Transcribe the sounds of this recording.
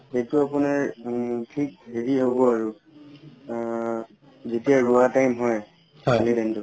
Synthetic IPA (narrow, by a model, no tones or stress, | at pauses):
hejtʊapʊnaɹtʰik̚ɦeɹiɦobɔaɹu | zetijaɹuatajmɦɔj | alidɛntʊ